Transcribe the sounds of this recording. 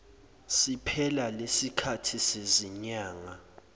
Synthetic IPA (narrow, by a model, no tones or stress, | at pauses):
sipʰɛlalesikʰatʰiseziɲaːŋa